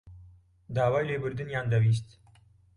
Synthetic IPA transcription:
d̪aːwaːjleːbɨɾd̪ɨnjaːnd̪ɐwiːs̬t̪

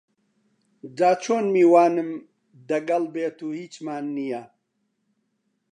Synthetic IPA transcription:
zaːt͡ʃʰoːnmiwaːnɨm | d̪ɐɡɐlbeːt̪ʰuhiːt͡ɕmaːnːija

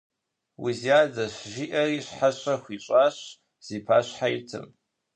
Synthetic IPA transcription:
wḭziaːzɐɕʒiʔɐriːɕħaɕɐxʷiːɕʷʼaːɕ | z̥iːpʰaːɕħajitʰɨ̰m

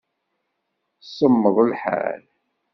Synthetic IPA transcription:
səmːəðˤəlħa̰l

